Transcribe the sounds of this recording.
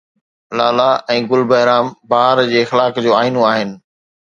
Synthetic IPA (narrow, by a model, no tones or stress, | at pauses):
laːlaɛ̃ːɡʊlbəɦɪɾaːmbaːɾd͡ʑeːxlaːkd͡ʑoːaːɪnõaːɦɪnɪ̆